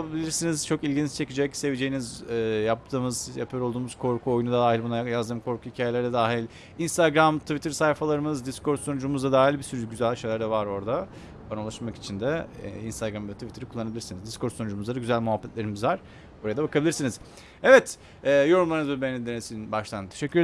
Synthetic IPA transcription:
bilʲiɾsiniz̥t͡ʃʰo̞kilʲɟint͡ʃt͡ʃʰe̞cid͡ʒɛcse̞vid͡ʒe̞jinizɛːjap̚t̪ʰɯːmɯzja̰pʰajoɾolˠd̪uːmuz̥kʰo̞ɾkʰuojunud̪ad̪aːɦilʲbunajazd̪ɯːmkʰo̞ɾkʰuhicʰaːjeæɾd̪ɛd̪aːɦilʲ | inst̪aɡɾamt̪ʰuvit̪ʰɾsajfalˠaɾɯmɯzd̪isko̞ɾt̪so̞nud͡ʒumuzd̪ad̪aːɦilʲbisyɾyɟyzælʲʃejlʲæɾd̪ɛvaɾo̞ɾd̪a | banaulˠaʃmaki̥t͡ʃʰind̪ɛ̰inst̪ʰaɡɾamvɛt̪ʰuvit̪ʰɾikʰulˠːanabilʲiɾsinizd̪iskʰo̞ɾt̪sonud͡ʒumuzaɾaɟyzælʲmuɦapːɛt̪lʲe̞ɾimizvaɾ̥ | buɾajad̪abakʰabilʲiɾsiniz̥ | evɛt̪ | ɛːjo̞ɾumlˠaɾɯnzuɾbenid̪enesinbaʃt̪ʰannt̪ʰe̞ʃɛcʰːyɾe

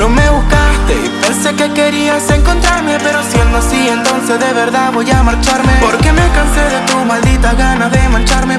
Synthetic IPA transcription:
lomewkant̪e | pensekekeɾiaseŋko̞nt̪ɾaɾmepe̞ɾosjend̪oasient̪o̞nsezðeβ̞eɾðaβojamaɾt͡ʃaɾmepoɾkemekanseðet̪umald̪it̪aɣanaðemãnt͡ʃaɾme

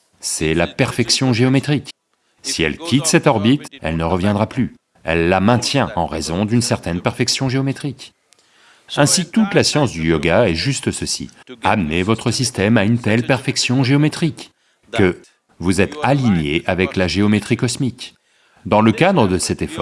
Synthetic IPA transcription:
sɛlapɛʁfɛksjɔ̃ʒeɔmet̪χik | siɛ̰lkʲʰit̪sɛt̪ɔʁbit̪ɛ̰lnəʁəvjɛ̃d̪ʁaply | ɛ̰lːamɛ̃t̪jɛ̃ɑ̃ʁḛzɔ̃d̪ynsɛʁt̪ɛnpɛʁfɛksjɔ̃ʒeɔmet̪χik | ɛ̃sit̪ut̪lasjɑ̃sd̪yjɔɡaɛʒyst̪əsəsḭamnevɔt̪χəsist̪ɛmaynt̪ɛlpɛʁfɛksjɔ̃ʒeɔmet̪χikː | ə | vuzɛt̪aliɲeʔavɛklaʒeɔmet̪χikɔsmik | d̪ɑ̃ləkad̪ʁəd̪əsɛt̪efɔ

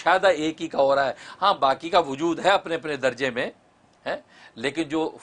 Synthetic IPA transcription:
ʃaːd̪aeːkɦikaɔːɾaɦɛːɦãːbaːkikaʋʊd͡ʒuːd̪ɦɛɐpneɐpned̪ɐɾd͡ʒemẽ | ɦɛ̃ː | leːkɪnd͡ʒoː

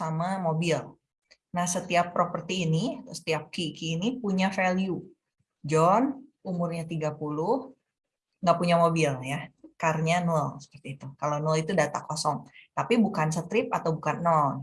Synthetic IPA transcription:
samamobil | nahsət̪iapːɾopərt̪iːniat̪sə̥t̪iap̚kikiːnipuɲafɛlju | d͡ʒɔn | umʊrɲat̪iɡapulʊh | ŋɡapuɲamobiljakarɲanulsə̥pərt̪iːt̪ukalonulit̪udat̪a̰kosɔŋt̪apibukansət̪ɾɪp̚at̪awbukanːɔn

